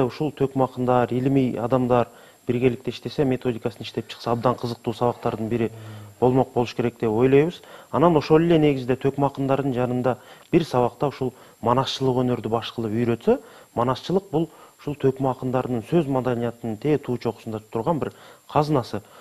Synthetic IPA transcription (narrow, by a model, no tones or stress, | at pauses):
ʊʃolˠt̪ʰøkmɑqənd̪ɑɾelmijɑd̪ɑmd̪ɑɾ | b̥ɪɾɡʲe̞lɪk̚t̪e̞ɪʃt̪e̞se̞mʲe̞t̪ʰo̞d̪ijkɑsənɪʃt̪e̞pʃʰə̥qsɑːb̚d̪ɑɴqʰəzəq̚t̪usɑβɑqt̪ɑɾd̪əɴbɪɾɪb̥o̞lˠmoq̚bo̞lˠʃkʰe̞ɾe̞k̚d̪e̞pwo̞jlˠɑjbəzɑnɑnoʃo̞lˠɪle̞ne̞ɡʲɪzɪd̪e̞t̪ʰøkmɑqənd̪ɑɾd̪əɴʒɑnənd̪ɑb̥ɪɾsɑβɑqt̪ɑʊʃolˠ | mɑnɑsʃəlˠəqwɵne̞ɾd̪ɪbɑʃqəlˠəpʏjɾø̞t̪se | mɑnɑsʃəlˠəq̚bʊlˠʊ̥ʃolˠt̪ʰøkmɑqənd̪ɑɾənəɴsɵzmɑd̪ɑnijɑt̪ənənt̪ʰe̞t̪ʰut͡ʃo̞qə̥sənd̪ɑt̪ʰʊɾʁɑnbɪɾqʰɑznɑsə